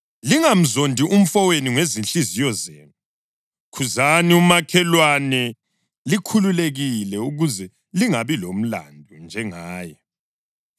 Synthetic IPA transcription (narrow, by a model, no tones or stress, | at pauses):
liŋam̩zondʱiʔum̩fɔweniŋezinɬizijɔzeːnu | kʰuzaniumakʰɛlwanɛ | likʰululeɣilɛuɣuzɛ | liŋaβilom̩la̰ndʱund͡ʒʱɛŋaːjɛ